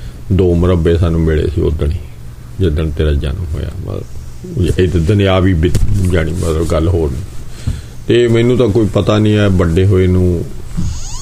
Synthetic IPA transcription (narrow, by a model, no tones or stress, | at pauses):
d̪oːməɾəbeːsaːnũːmeːɭḛːsḭːo̰d̪əniː | d͡ʒɪd̪əɳt̪eːɾaːd͡ʒa̰nmɦo̰ːja̰ːmə̰ | ɪd̪d̪ənẽaːʋiːbɪd͡ʒaːɽ̃iːmət̪ləbɡəlɦoːɾnĩː | t̪eːmɛːnũːt̪ãːkoːiːpət̪aːnĩːɛːbəɖeːɦoːeːnũː